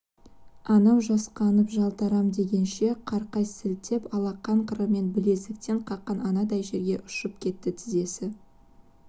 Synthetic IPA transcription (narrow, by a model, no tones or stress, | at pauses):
ɑnɑwʒɑsqɑnəpʒɑlˠt̪ɑɾɑmd̪e̞ɡʲe̞nʃe̞qʰɑɾqɑjsɪlt̪ʰepɑlˠɑqːɑɴqʰəɾəme̞nbɪle̞zɪk̚t̪e̞ɴqʰɑqːɑnɑnɑd̪ɑjʒe̞ɾɡʲe̞ʔʊʃəp̚kʲʰe̞t̪ːɪt̪ʰɪze̞sɪ